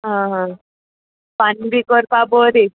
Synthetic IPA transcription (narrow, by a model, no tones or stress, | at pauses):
ɦãɦã | panbikɔɾpaboɾi